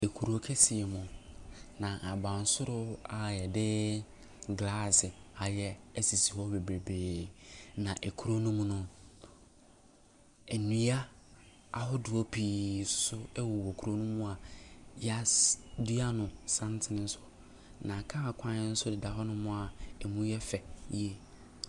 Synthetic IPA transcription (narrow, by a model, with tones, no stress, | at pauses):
e˨kʰu˨ɾo˨kʰe˦sɪ˨ɛ˨mʊ̃˨nã˨ʔa˨bã˨n̩˨˦sʊ˦ɾʊ˦a˨jɛ˨dɪ˦ | ɡla˦sɪ˨a˨jɛ˦ɛ˦si˨si˨hɔ˦be˨bɾe˨beː˨nã˨ʔɛ˨kʰu˨ɾo˦nũ˦m̃˦nʊ̃˦ | ɛ˨nũ˨˦a˦ | a˨ɦɔ˦dʊ˨ɔ˦pʰiː˨sʊ̥˦sʊ˦ɛ˦wʊ˨wɔ˨kʰu˨ɾo˦nũ˦mʊ̃˦a˨ja˦du˦a˦nʊ̃˨sã˦n˦tʰɪ˨nɪ̃˦n̩˦sʊ̥˦ | nã˨kʰã˦a˨kʷʰã˦nɪ˦n̩˦sʊ˦dɪ˨da˨ɦɔ˦nʊ̃˦mʊ̃˦a˨ɛ˨mũ˦jɛ˦fɛ˨je˦